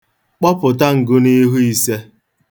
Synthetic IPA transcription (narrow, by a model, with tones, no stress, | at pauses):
k͡pɔ˦pʊ˨t̬a˦ŋ̩˨ɡʊ˦ni˦ɦu˦i˨se˦